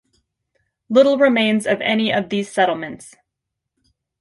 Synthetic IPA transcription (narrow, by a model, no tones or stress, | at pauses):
lɪɾl̩ˠɹɨmẽɪ̃nzʌvɛ̰niʔʌvðiz̥sɛɾl̩ˠmɨ̃nts